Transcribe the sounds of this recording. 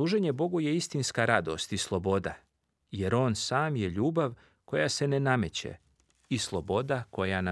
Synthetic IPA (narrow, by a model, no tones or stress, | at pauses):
uːʒe̞ɲe̞bo̞ɡuje̞ist̪inskaɾad̪o̞̰st̪islˠo̞bo̞d̪a | je̞ɾo̞ːnsaːmje̞ʎuːbaʋ | ko̞jase̞nename̞t͡ɕḛ | islˠo̞bo̞d̪ako̞jana